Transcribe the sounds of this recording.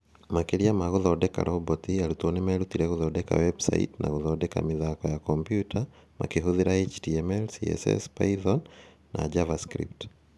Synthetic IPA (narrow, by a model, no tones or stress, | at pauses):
makeɾiamaɣoðɔdɛka̰ɾʔɔbɔtiaɾutɔnɛmɛɾutiɾɛɣoðɔdɛka̰wɛbsa̰ḭtna̰ɣoðɔdɛka̰mɪðakɔjakɔmpjutama̰keɦoðeɾaet͡ʃdiɛmɛlsḭɛ̰sɛ̰spaiðɔnː | a̰d͡ʒavaskɾḭp̚t